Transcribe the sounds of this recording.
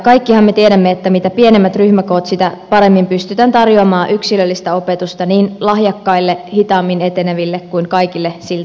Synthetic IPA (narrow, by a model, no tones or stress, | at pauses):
kɑjkːihɑmmet̪ieɾæmːeet̪ːæmit̪æpienemːæt̪ryhmæko̞ːt̪sit̪æpɑɾe̞mːimpyst̪yt̪ænt̪ɑrjoɑmɑːʔyksilølːist̪æo̞pet̪ust̪ɑniːnlɑhjɑkːɑilːehit̪ɑːmːinet̪eneʋilːekkuiŋkɑijkilːesilt̪